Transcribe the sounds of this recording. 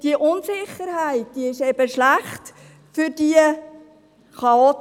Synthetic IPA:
d̥iəʔʊnsɪχːəɾhæɪt̚d̥iɪʃɛb̥əʃlæχt | fʏɾdiə | χɑot

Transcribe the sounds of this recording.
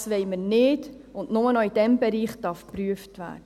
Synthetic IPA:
sʋɛɪməɾnɪd | ʊndnʊmənɔid̥ɛmbɛɾiːχd̥ɑɾfpɾyəftvæ̰ːdə

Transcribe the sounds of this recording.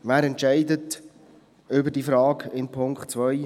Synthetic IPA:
ʋæːɾɛntt͡ʃɛɪdət | ʏbəɾdiːfɾɑːɡɪnpʰʊŋkχt̚t͡sʋœj

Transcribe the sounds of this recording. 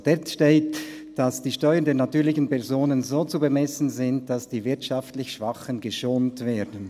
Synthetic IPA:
d̥ɛtʃteːt | d̥asd̥iːʃtɔʏəndeːɐnatyːlɪçən̩pɛɐzoːnənzoːt͡subəmɛsn̩zɪnt̚d̥asd̥iːvɪɐtʃɑftlɪçʃv̥axənɡəʃoːntv̥eːɐdn̩

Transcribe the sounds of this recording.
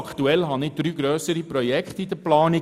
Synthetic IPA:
kʰt̪uɛlɦɑnɪd̥ɾyːɡɾøːsəɾiprɔjɛkχtidəplɑːni

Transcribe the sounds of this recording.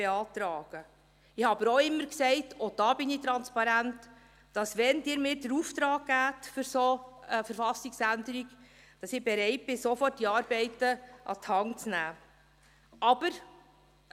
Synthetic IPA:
eɑːtɾɑːɡ̥ə | ɪhɑbəɾoɪmːəɾksɛɪtʰɔd̥ɑːbɪnit̪ɾɑnspɑɾæntː | ɑsʋɛnd̥ɪːɾmɪːɾdəɾuft̪ɾɑːkːæːtfʏɾsoəfəɾfɑsiksændəɾiɡ | d̥ɑsɪbɛɾɛɪt̚b̥ɪsofɔrtːiɑːɾbɛɪtəʔɑ̰thɑŋt͡snæː | ʔɑb̥əɾ

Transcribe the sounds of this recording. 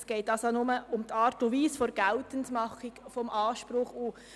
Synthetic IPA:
sɡ̥ɛɪtɑsonʊməʊmt̪ʰɑːɾtuʋiːsfɔɾɡ̥ɛltəntmɑχikfɔmʔɑːʃpɾʊχu

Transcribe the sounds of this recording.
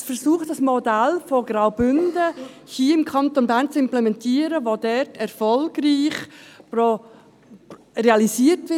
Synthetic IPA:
fɛɾsuːχtd̥ɑsmodælfoɡ̥raʊbʏndə | hiːɪmkʰɑntonbæːnt͡sɪmplɛmɛntʰiːəɾəʋodɛtʰɛɾfɔlɡriːχpro | reɑlisiːtʋɪ

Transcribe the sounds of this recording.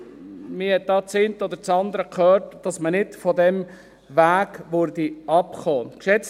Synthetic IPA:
mɪhɛt̪̚d̥ɑːt͡sɪnt̪ɔd̪əɾt͡sɑnd̪əɾəkʰχøːtd̥ɑsmənɪdfɔd̪ɛm | ʋæːɡʋʊɾdiɑpχoːkʃɛt͡s

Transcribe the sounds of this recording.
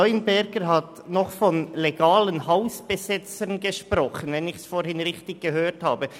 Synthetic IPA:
ɔʏnbɛɾɡəɾɦɑt | nɔχfɔnleɡɑːlənhaʊsb̥əzɪt͡sənɡəʃpɾɔχənvɛnɪçsfoːɾhɪnʁɪçtɪɡ̚ɡ̥əɦøːthaːbə

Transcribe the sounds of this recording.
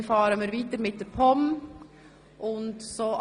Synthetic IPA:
fɑːɾəməɾʋit̪əɾmɪt̪ːəɾpʰɔm | ʔʊnt̪sɔʔ

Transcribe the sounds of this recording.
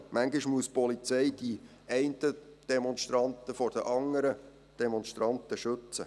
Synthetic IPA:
mæŋɡiʃmuəspɔlit͡sɛɪd̥i | ɛɪntəd̥ɛmɔnʃtɾɑnt̪əfɔrd̥əʔɑŋːəɾə | d̥ɛmɔnʃtɾɑnt̪əʃɵt͡sə

